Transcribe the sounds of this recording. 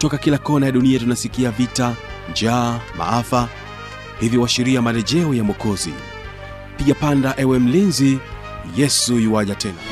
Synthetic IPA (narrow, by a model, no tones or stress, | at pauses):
tɔkakilakɔnajaɗuniatunasikiavita | nd͡ʒaːma̰afa | hivjiwaʃiɾiamalɛʄɛɔjamɔkɔzḭ | piʄapandaʔɛwɛm̩linzi | jɛsujiwaʄatʰɛna̰